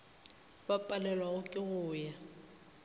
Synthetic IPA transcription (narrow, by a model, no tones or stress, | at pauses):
bapʼalɛlwaɣʊkʼɪɣʊːja